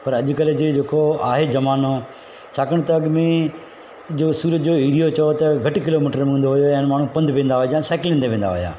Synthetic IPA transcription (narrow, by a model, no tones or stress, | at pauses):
pɐɾɐʄʊ̆kɐld͡ʑed͡ʑeːkoaːɦed͡ʑɐmaːno | t͡ɕʰaːkəɽ̃t̪ɐɐɠmẽ | d͡ʑoːsuːɾət̪d͡ʑoːiːɾijot͡ɕɐot̪ɐɡʱɐʈkɪloːmiːʈəɾmẽɦũːnd̪oɦʊjoɛ̃ːñmaːɳ̤ũpɐ̃nd̪ʱʋẽːn̆d̪aɦod͡ʑãːsaːklɪ̃ːnd̪eʋẽːnd̪aɦo̰ja̰ː